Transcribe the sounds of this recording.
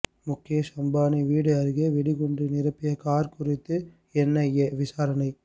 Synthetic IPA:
mʊkːɪjɐsɐmbaːnɐʋiːɽɯɐɾɯɣeʋɛɽɪɣɔɳdrinɪɾɐpːɪjɐkaːɾkʊrɪt̪ːɯ | ɛnːɐjɐʋɪsaːɾɐnɐɪ

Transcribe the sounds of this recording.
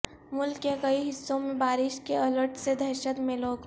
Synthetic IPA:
mʊlkːekɐiɦɪsːõmẽbaːɾɪʃkeɐləɾʈʰsed̪ʱɐɾʃət̪mẽloːɡ

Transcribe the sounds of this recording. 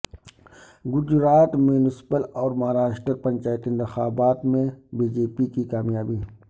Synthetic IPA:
ɡʊd͡ʒɾaːt̪munɪspəlɔːɾmɐɦɾaːʃʈəɾpɐ̃ɲʲt͡ʃaːjt̪ɪ̃nt̪ɪxaːbaːt̪mẽbiːd͡ʒeːpikikaːmjaːbiː

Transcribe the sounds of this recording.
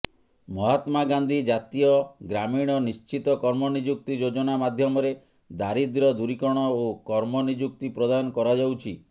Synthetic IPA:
mɔɦat̪maɡand̪ʱid͡ʒat̪ijɔɡɾamiɽ̃ɔnist͡ʃit̪ɔkɔɾmɔnid͡ʒuk̚t̪id͡ʒod͡ʒɔnamad̪ʱjɔmɔɾe | d̪aɾid̪ɾɔd̪uɾikɔɽ̃ɔokɔɾmɔnid͡ʒuk̚t̪ipɾɔd̪aɔnɔkɔɾad͡ʒawt͡ʃʰi

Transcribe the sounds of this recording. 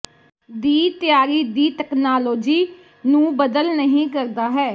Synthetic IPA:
d̪iːt̪ɪjaːɾiːd̪iːt̪ɛːknaːloːd͡ʒiː | nũːbəd̪əlnəɦĩːkəɾd̪aːɦɛː

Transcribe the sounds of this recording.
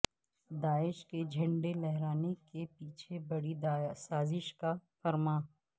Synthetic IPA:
d̪aːɪʃked͡ʒʱɐ̃ɳɖelɛɦɾaːnekepiːt͡ʃʰebɐɽid̪saːzɪʃkafɐɾmaː

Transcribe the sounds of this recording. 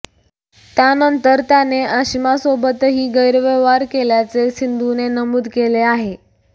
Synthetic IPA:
t̪janənt̪əɾt̪janeʔəɕimasobət̪ɦiːɡəjɾʋeʋaɾkeljat͡sesind̪ʱunenəmuːd̪keleaɦe

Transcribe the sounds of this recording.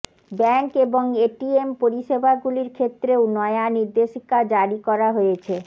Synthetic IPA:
bɛŋkeboŋeʈiempoɾiʃebʱaɡuliɾkʰet̪ːɾeonɔeaniɾd̪eʃikad͡ʑaɾikɔɾaɦojet͡ɕʰe

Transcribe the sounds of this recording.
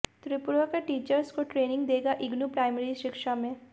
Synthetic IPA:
t̪ɾɪpʊɾakeʈiːt͡ʃəɾskoʈɾeːnɪ̃ŋɡd̪eːɡaʔɪɡnupɾaːɪmɛɾiʃɪkʃamẽ

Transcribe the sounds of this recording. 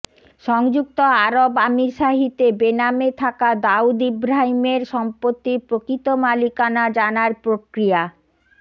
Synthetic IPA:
ʃɔŋd͡ʑuk̚t̪oaɾobamiɾʃaɦit̪ebenamet̪ʰakad̪aud̪ibɾaɦimeɾʃɔmpot̪ːipɾokit̪omalikanad͡ʑanaɾpɾokɾija

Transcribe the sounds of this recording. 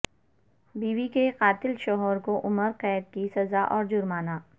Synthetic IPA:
biːʋikeqaːt̪ɪlʃɔːɦɔːɾkoʔʊməɾqɛːd̪̚kisɐzaʔɔːɾd͡ʒʊɾmaːnaː

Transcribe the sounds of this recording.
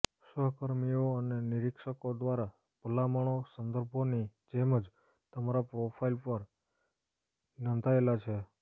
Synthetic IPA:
səɦkəɾmioəneniɾikʃəkod̪ʋaɾa | pəlaməɳ̃osənd̪əɾbʱonid͡ʒeməd͡ʒ | t̪əmaɾapɾopʰailpəɾ | nənd̪ʱaelat͡ʃʰe

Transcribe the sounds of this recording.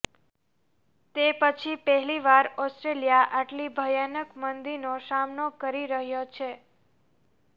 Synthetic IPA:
t̪epət͡ʃʰipəɦɛliʋaɾɔsʈɾeljaʔaʈlibʱəjanəkmənd̪inosamnokəɾiɾəɦjot͡ʃʰe

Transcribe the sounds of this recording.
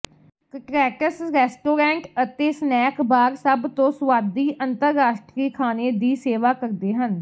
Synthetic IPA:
kʈɾɛːʈəsɾɛːsʈoːɾɛ̃ːɳʈət̪eːsnɛːkbaːɾsəbt̪õːsəʋaːd̪iːʔənt̪əɾːaːʃʈɾiːkʰaːneːd̪iːseːʋaːkəɾd̪eːɦən

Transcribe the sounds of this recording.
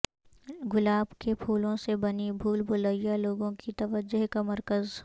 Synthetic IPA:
ɡʊlaːbkepʰuːlõsebɐnibʱuːlbʊləijaloːɡõkit̪ɐʋəd͡ʒːʊɦkamɐɾkəz

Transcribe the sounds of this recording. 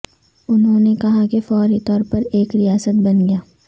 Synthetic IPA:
ʊnɦõːnekɐɦakefɔːɾit̪ɔːɾpɐɾeːkɾijaːsət̪̚bɐnɡɐjaː

